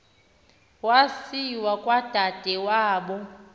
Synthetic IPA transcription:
wasiwakʼwad̥ʱad̥ʱɛwaːɓɔ

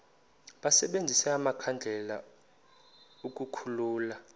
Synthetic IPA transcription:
ɓasɛɓend͡zʱisɛamakʰand͡ɮʱɛla̰ | uk̬ʼukʰuluːla

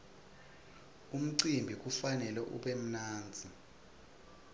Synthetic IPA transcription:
um̩ǀimbʱik̬ʼufanɛlɛʔṵɓem̩naːnd͡zʱi

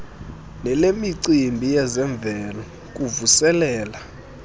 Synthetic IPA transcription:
nɛlemiǀimbʱijɛzɛɱb̪vɛlɔ | k̬ʼuvusɛlɛːla

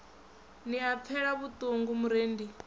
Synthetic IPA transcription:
niap̪fʰɛɺaβut̪ʼoŋɡumuɾeːndi

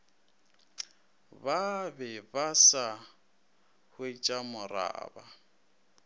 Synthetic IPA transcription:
babɛbasa | hʊit͡ʃʼamʊra̰ːba

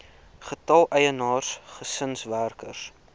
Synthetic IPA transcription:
χətɐlˠʔɛjənɑːrsχəsənsværkərs

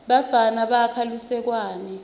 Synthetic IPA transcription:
ɓafanaɓakʰalusɛk̬waːnɛ

